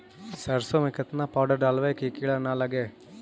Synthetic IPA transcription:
sɐɾsoːmikɐt̪nɐpaːɖɐɾɖaːlʋɐkikiɭɐnaːlɐɡe

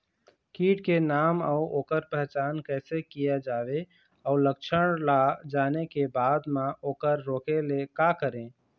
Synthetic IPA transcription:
kiːʈkenama̰uoːkəɾpɛɦt͡ʃankəɪsekijad͡ʒabe | aʊlək̚t͡ʃʰəɽ̃lad͡ʒanekebad̪mãoːkəɾːokelekakəɾẽ

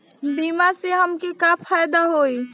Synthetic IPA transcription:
bimaseɦəmkekapʰajd̪aɦoj

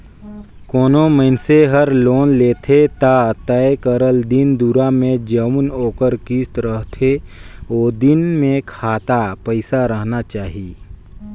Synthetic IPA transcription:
koːnoməɪnseɦəɾloːnleːt̪ʰet̪at̪ɛkəɾəld̪ɪnd̪uɾamẽd͡ʒəwnoːkəɾkiːst̪ɾəɦt̪ʰeoːd̪ɪnmẽkʰaːt̪apəɪsaɾəɦnat͡ʃaːɦiieː

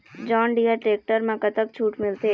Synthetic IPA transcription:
d͡ʒɔːnɖijaʈɾeːk̚ʈəɾmãkɐt̪ək̚t͡ʃʰuːʈmɪlt̪e

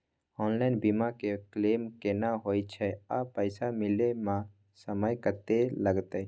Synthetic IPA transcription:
ɔnlaɪnbimakeklemkenaɦojt͡ʃʰɛapəɪsamɪlemã | səməjkəɾt̪eləɡt̪ə

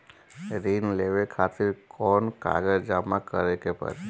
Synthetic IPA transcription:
ɾiːnleːʋekʰaːt̪ɪɾkʰɔːnka̰ɡəɾd͡ʒaːmakəɾekepə̰ɾ

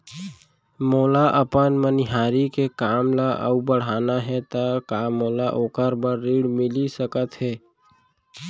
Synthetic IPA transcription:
moːlaʔəpənmənɪɦaːɾikekaːmlaʔə̰ubəɽ̤aːnaɦɛt̪əkamoːlaʔoːkəɾbəɾːiːɽmɪlisəkət̪ɦɛː

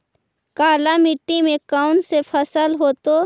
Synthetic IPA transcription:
kaːlamɪʈːimẽkaʊnsepʰəsəlɦoːt̪o

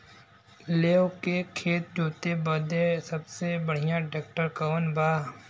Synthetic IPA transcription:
leːokekʰeːt̪̚d͡ʒoːt̪ebəd̪esɐbsebɐɽ̤ijãɖeːk̚ʈəɾkənbaː

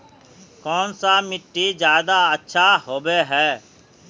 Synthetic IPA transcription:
kɔːnsamɪʈːizjaːd̪aətːʃʰaɦoːbeɦɛː

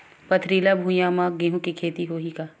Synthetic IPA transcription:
pɐt̪ʰɾiːlabʱũjaːmaɡiɦũkikʰeːt̪iɦoːɦikaː

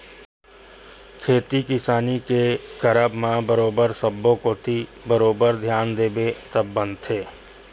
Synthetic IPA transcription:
kʰeːt̪ikɪsaːnikekəɾəbmãbəɾoːbəɾsəbːõkot̪ʰi | bəɾoːbəɾd̪ʱjaːnd̪eːbet̪əbːə̃nt̪ʰeː

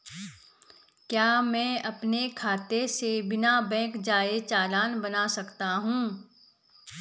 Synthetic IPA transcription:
kjaːmɛ̃ːɐpnekʰaːt̪esebɪnabɛ̃ːkd͡ʒaːet͡ʃaːlaːnbɐnasɐkt̪aɦũː

